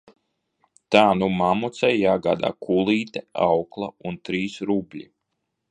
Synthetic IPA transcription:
t̪aːnumamut̪sajːaːɡa̰ːd̪a̰ːkʰulˠiːt̪ɛawklˠaunt̪ɾiːsɾubʲlʲi

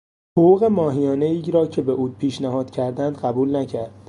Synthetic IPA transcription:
hoʁuːɣe̞mɒːɦijɒːne̞iːɾɒːcʰe̞be̞ʔuːpʰiːʃnæhɒːd̪̥cʰæɾd̪ænd̪ɢæbuːlnæcʰæɾd̪

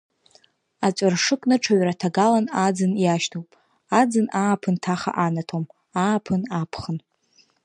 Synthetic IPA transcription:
at͡ʃʷʼarʂɨkʷʼnɨʈ͡ʂʰaɥratʰaɡalanad͡zɨnjaʃtʰowpʼ | ad͡zɨnaːpʰɨntʰaχa̰ʔanatʰom | aːpʰɨnapʰχən

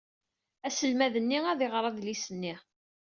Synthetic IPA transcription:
æsəlmæðənːiæðeʁɾˤɑðlisənːi

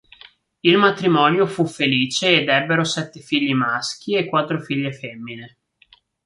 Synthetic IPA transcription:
ilmat̪ɾimɔnjofufːeliːt͡ʃeːd̪ɛbːeɾosɛt̪ːefiʎːimask̟iekːwat̪ːɾofiʎːefɛmːine

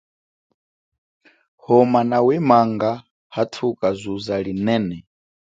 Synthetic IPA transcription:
hɔmanawɛmaŋɡa | hatʰukʼazʷuzaɺinɛːnɛ

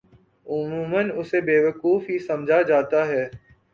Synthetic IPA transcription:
ʊmuːmənʊsebeːʋəkuːfɦisɐmd͡ʒʱad͡ʒaːt̪aɦɛː

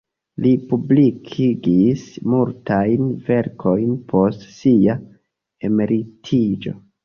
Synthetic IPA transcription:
lipublikʰiɡismultajnve̞ɾkʰo̞jnpʰo̞stsia | e̞me̞ɾitʰid͡ʒo̞̰

